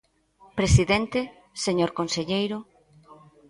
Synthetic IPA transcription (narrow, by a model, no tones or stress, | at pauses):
pɾesiðent̪e | seɲoɾkonseʎejɾʊ